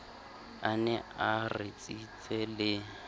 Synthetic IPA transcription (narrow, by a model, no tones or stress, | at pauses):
anɛarɪt͡sʼit͡sʼɛlɪ